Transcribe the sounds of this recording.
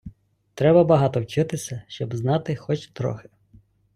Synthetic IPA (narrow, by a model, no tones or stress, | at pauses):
t̪ɾɛbɐbɐɦɑt̪ɔwt͡ʃɪt̪ɪsʲɐʃt͡ʃɔbznɑt̪ɪxɔt͡ʃt̪ɾɔ̰xɪ̥